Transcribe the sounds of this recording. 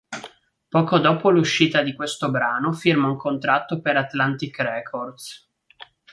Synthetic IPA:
pɔːkod̪oːpoluʃːiːt̪ad̪ikwest̪obɾaːnofirmauŋkont̪ɾat̪ːopeɾat̪lant̪ikrɛkʰord̪s

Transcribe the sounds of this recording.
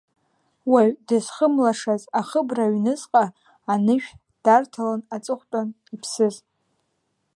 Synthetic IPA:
waɥdɨzχəmlaʂazaχəbraɥnɨzqʼaː | nɨʒᶣ | d̥artʰalanat͡sʼɨχʷtʼan | ipʰsɨz

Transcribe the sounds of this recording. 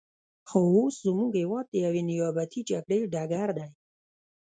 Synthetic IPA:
xouszʊmuɡhewɔd̪̚t̪eawenɪjɔːbat̪ʰit͡ʃapɽeɖaɡaɾd̪aj

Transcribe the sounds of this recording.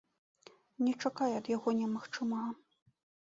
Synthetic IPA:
nʲɛt͡ʂakajɛɐd̪jaɣɔnʲɛmɐxt͡ʂɨma

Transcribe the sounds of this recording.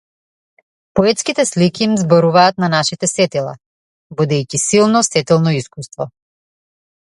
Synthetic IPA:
pɔɛt̪skit̪ɛslikʲiːmzbɔɾuvaːt̪̚nanaʃit̪ɛsɛt̪ilˠa̰ | bɔd̪ɛjcisilˠnɔsɛt̪ɛlˠnɔiskust̪vɔ

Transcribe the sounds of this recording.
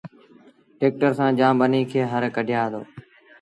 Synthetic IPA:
ʈeːk̚ʈəɾsãːd͡ʒãːmbəniːkʰeːɦəɾkəɖʱjaːɦd̪o̰ː

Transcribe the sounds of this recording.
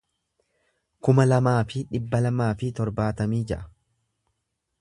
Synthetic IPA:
kʊmɐlɐmaːfɪᶑɪbːɐlɐmaːfɪt̪ɔɾbaːt̪ɐmiːd͡ʒɛ̰ʔɐ̥

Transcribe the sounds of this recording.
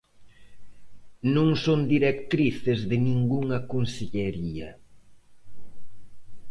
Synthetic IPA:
nõŋsond̪iɾekt̪ɾiθɪzðɪnĩŋɡuŋɐkonseʎeɾiɐ

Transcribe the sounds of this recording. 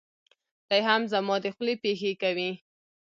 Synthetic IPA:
d̪̥ajɦamzamɔd̪əxlepexekawi

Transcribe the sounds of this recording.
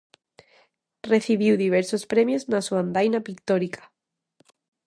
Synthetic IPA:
reθiβ̞iwðiβ̞eɾsospɾemjoznasuand̪ajnapik̚t̪oɾikḁ

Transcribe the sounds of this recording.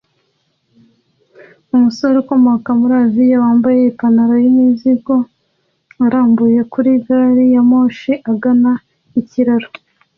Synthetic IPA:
umusoɾukomokamuɾavijawaːmbajeipanaɾojimiziɡo̞ | aɾaːmbuje̞kuɾiɡaːɾijamoːʃiʔaɡana | iciɾaɾo

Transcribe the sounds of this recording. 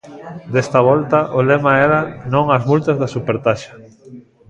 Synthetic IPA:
d̪est̪aβɔlt̪ɐʔolemaɛɾanõŋɐzmult̪ɐzðasupeɾt̪aʃḁ

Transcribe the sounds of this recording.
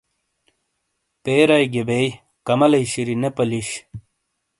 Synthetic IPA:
peːɾajɡebej | kɐmɐlɐjɕiɾinepɐliɕ

